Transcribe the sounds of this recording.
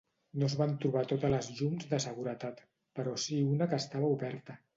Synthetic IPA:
nozβant̪ɾuβ̞at̪ot̪ələzʎumzdəsəɣuɾət̪at̪ | pəɾɔsiunəkəːst̪aβəuβɛɾt̪ə

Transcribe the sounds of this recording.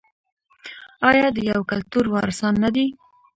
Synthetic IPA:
ɑjɑd̪əjawkalt̪uɾwɑɾsɑnːad̪i

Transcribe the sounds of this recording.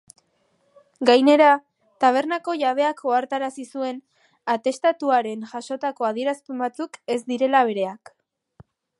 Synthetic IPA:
ɡajne̞ɾa | t̪aβ̞e̞ɾnako̞ʝaβ̞e̞akʰo̞aɾt̪aɾasisue̞n | at̪e̞st̪at̪uaɾe̞nʝaʃo̞t̪ako̞að̞ie̞ɾaspe̞mbat͡suke̞zd̪iɾe̞laβ̞e̞ɾe̞ak

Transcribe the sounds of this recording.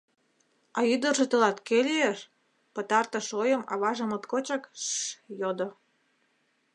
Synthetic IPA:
ɑyd̪ə̆rʒĕt̪əlɑt̪kelʲeeʃ | pə̆t̪ɑrt̪ɤ̆ʃojə̆mɑ̰βɑʒə̆mət̪kot͡ɕɑkʃjod̪o

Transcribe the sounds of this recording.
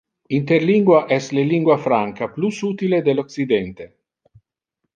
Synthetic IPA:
int̪erliŋɡwaʔɛsleliŋɡwafɾaŋkaplusuːt̪iled̪eloksid̪ɛnt̪e

